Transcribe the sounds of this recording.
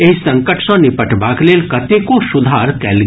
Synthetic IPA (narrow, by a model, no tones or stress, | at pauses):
eɦsɐ̃ŋkəʈʃɔ̃nɪpəʈbaːkleːlkɐt̪ekosʊd̪ʱaːɾkɛːlɡ